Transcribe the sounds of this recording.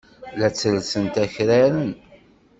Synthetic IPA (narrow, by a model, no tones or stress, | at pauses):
læt͡sːəlsənt̪æçɾaɾən